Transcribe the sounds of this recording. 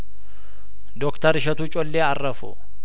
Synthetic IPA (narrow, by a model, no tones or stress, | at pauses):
d̪ɔkt̪ɐɾɪʃɐt̪uːt͡ʃʼɔlːeːɐrːɐfʊ̰